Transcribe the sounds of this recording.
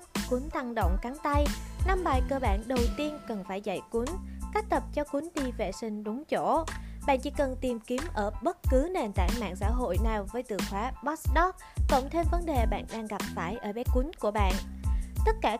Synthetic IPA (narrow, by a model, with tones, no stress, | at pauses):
kwi˨˦nt̪a˧ŋɗə̰˧˨wŋ͡mka˨˦ŋt̪a˧jna˧mɓaː˨˩jkəː˧ɓa̰ː˧˨nɗə˨˩wt̪i˧ənkə˨˩nfaː˧˩jza̰˧˨jkwu˨˦nka˦˥k̚t̪ə˨˩p̚t͡ɕɔ˧kwi˨˦nɗi˧vḛ˧˩sï˧ŋ̟ɗʊ˨˦ŋ͡mt͡ɕo˧˩ɓa̰ː˧˨nt͡ɕḭ˧˥kə˨˩nt̪i˨˩mki˨˦əmʔəː˧˩ɓə˦˥t̚kɨ˨˦ne˨˩nt̪a̰ː˧˨nma̰ː˧˨ŋsa̰ː˧˥ɦo̰˧˨jnaː˨˩wvəː˨˦jt̪ɨ̰˧˩xwaː˨˦ɓɔ˦˥sɗɔ˦˥k̚ːɔ̰˧˨wŋ͡mt̪ʰe˧mvə˨˦nɗe˨˩ɓa̰ː˧˨nɗaː˧ŋɣa˨˩p̚faː˧˩jʔəː˧˩ɓɛ˨˦kwi˨˦nku˧˩əɓa̰ː˧˨nt̪ə˦˥t̚kaː˧˩